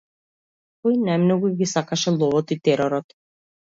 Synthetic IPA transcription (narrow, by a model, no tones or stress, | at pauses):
kɔjnajmnɔɡuɡisakaʃɛlˠɔvɔt̪it̪ɛɾɔɾɔt̪